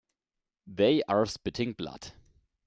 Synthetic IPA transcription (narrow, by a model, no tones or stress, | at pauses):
ðeɪʔaɹspɪtʰɪ̃ŋbla̰d̥